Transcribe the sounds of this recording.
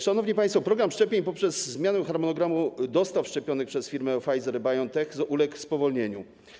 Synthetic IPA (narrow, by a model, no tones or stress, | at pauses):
ʂanɔvɲipajst̪fɔpɾɔɡɾamʂt͡ʂɛpʲjeɲpɔpʂɛzzmʲjanɛxaɾmɔnɔɡɾamud̪ɔst̪afʂt͡ʂɛpʲjɔnɘxpʂɛsfʲiɾmɛfajzɛɾbajɔnt̪ɛxzɔʔulɛkfspɔvɔlɲeɲu